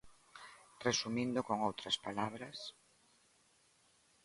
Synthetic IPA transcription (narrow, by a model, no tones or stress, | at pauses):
resumĩnd̪ʊkoŋowt̪ɾaspalaβɾɐs